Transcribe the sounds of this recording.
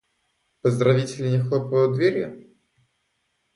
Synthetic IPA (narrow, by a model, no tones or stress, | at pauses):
pəzd̪ɾɐvʲitʲɪlʲɪnʲɪxlˠopvəjʊd̪vʲeɾʲjʊ̰